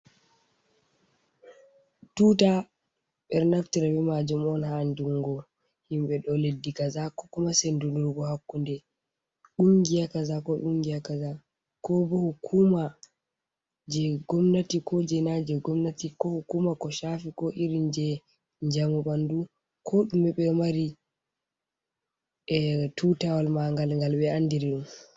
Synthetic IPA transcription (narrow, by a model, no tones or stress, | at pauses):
tuta | ɓɛɾnaftiɾabɛmad͡ʒumɔnhanduŋɡɔ | himɓɛɗɔledːikazakɔ̥kumasɛnduluɾɡɔhakːundɛ | ɗuŋɡijakazakɔɗuŋɡijakaza | kɔbɔhukʰuma | d͡ʒɛɡɔmnatikɔd͡ʒɛnad͡ʒɛɡɔmnatikɔhukumakɔʃafikɔʔiɾind͡ʒɛ | ɲd͡ʒamuɓandu | kʰɔɗumɛɓɛmaɾi | ɛtutawalmaŋɡalŋɡalɓɛandiɾiɗum